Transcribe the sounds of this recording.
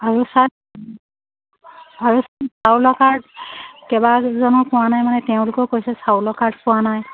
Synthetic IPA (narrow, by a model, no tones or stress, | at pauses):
aɹusa | aɹussawlɔkaɹdkɛbazɔnɔpʊwanajmanɛteʊ̃lʊkɔkojsɛsawlɔkaɹd̚pʊwanaj